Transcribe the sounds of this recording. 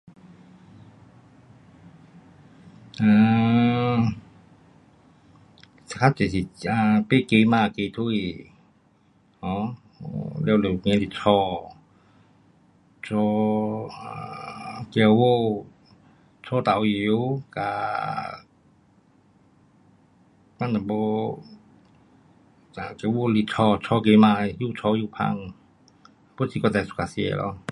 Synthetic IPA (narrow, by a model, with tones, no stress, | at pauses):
a˧ | sa˨kʰa˦˥t͡ʃe˨si˨a˧pe˦˨ke˧maː˧˨ke˧t̪ʰu˧i˧˨ | hɔ̃˧˦ | le˧˨le˨ŋe˧˨si˨t͡sʰɔ˧ | t͡sɔ˧ | kɛ˧wo˧ | t͡sʰɔ˧t̪a˨wji˨˧u˧wka̰˧ | ka˧˨na˨bo˧ | a˨kɛ˧wo˧˨˧li˧˨t͡sʰɔ˧t͡ʃʰɔ˧ke˧ma˧ju˧t͡ʃʰɔ˧ju˧pʰa̰˧˨ŋ˧ | pu˥sʰi˧kɔ˧˩ɛ˨˧˨su̥˧ka˧˨sḭ˧˨lɔ̰˧